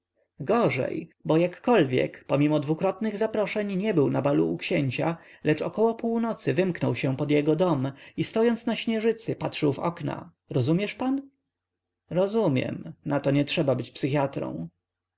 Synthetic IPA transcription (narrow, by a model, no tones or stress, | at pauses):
ɡɔʐɛ̰jbɔjakːɔlvʲjɛ̰kpɔmʲimɔd̪vukɾɔt̪nɘɣzapɾɔʂɛɲɲɛbɘwnabalṵːkɕɛɲt͡ɕalɛt͡ʂɔ̰kɔwɔpuwnɔt̪sɘvɘmknɔwɕɛpɔd̪jɛɡɔd̪ɔmist̪ɔjɔnt̪snaɕɲɛʐɘt̪sɘpatʂɘwvɔ̰kna̰ | ɾɔzumʲjɛʂpan | ɾɔzumʲjɛ̰mnat̪ɔɲɛtʂɛbabɘt͡ɕpsɘxʲjat̪ɾɔ̰̃w̃